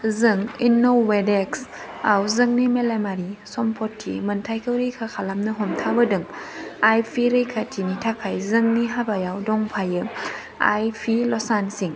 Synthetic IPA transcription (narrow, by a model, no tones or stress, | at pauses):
zɯŋinːowwedeks | awzɯŋnimelemaɾisɔmpʰɔtʰːḭmɯntʰajkʰɯwɾɯjkʰakʰalamnɯɦɔmtʰabɯdɯŋajpʰiɾɯjkʰatʰinitʰakʰajzɯŋniɦabajawdɔŋpʰajɯ | a̰jpʰilɔsansiŋ